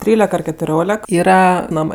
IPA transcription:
ˈtʲrʲiːlʲɛk ɐr kʲɛtʊˈrʲoːlʲɛk ˈiːrɐ ˈnɑːmɜ

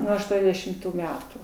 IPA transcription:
ˈnuɔ ɐʃˈtuɔnʲdʲɛʃʲɪmˌtuː ˈmʲæːtuː

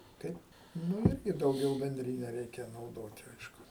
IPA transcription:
ˈkɐɪp ˈnʊ ˈɪrʲɡʲɪ dɐʊˈɡʲɛʊ bʲɛnʲˈdʲrʲɪnʲɛ ˈrʲɛɪkʲɛ nɐʊˈdoːtʲɪ ˈɐɪʃkʊ

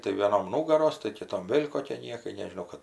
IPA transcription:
tɐɪ ʋʲeːˈnoːm ˈnuːɡɐroːs tɐɪ kʲɪˈtoːm ˈʋʲeːlʲ koːˈkʲiɛ ˈnʲiɛkɐɪ nʲɛʒʲɪˈnɐʊ kɐt

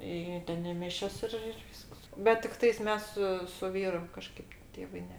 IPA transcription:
ˈiː ˈtʲɛn ɪ ˈmʲɪʃʲɛs ˈɪr ɪr ˈʋʲiːsks bʲɛt tʲɪkˈtɐɪs ˈmʲɛs sʊ sʊ ˈʋʲiːrʊ kɐˈʃkɐɪp ˈtʲeːʋɐɪ ˈnʲɛ

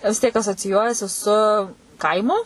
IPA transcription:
ʋʲɪs ˈtʲiɛk ɐsoːt͡sʲɪˈjuɔjɛsʲɪ sʊ ˈkɐɪmʊ

